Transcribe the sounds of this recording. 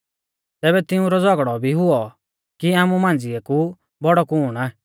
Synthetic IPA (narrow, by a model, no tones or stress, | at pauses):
t̪ɛːbɛt̪ɪũɾɔd͡zɔɡɽɔbʱiɦʊɔ | kiaːmumãːnd͡zɪɛku | bɔɽɔkuːɽ̃aː